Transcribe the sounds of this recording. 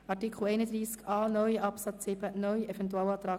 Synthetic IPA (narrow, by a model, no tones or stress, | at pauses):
ɑɾtikʰl̩ɛɪnəd̪ɾiːskɑːnœʏʔɑpsɑt͡sɪbənœʏɛfɛntuɛlɑːt̪ɾɑː